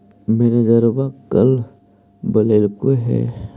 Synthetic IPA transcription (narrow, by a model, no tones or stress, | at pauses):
meɾedəɾbakəl | bəleːlkoɦɛ̰ː